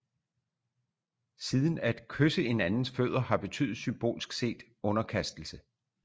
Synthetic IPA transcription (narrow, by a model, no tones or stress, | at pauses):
siːð̞ˠn̩æd̥kʰøsəe̝nænn̩sføð̞̰ˠʁɐhɑ̈b̥e̝t͡sʰy̰ːð̩ˠsymb̥o̝̰ːlsɡ̥se̝̰ːd̥ | ɔ̽nɐkʰæsd̥l̩sə